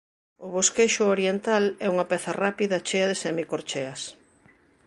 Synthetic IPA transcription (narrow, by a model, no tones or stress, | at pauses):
ʊβoskeʃʊoɾjent̪alɛuŋɐpɛθɐrapiðɐt͡ʃeɐðɪsɛmikoɾt͡ʃɛɐs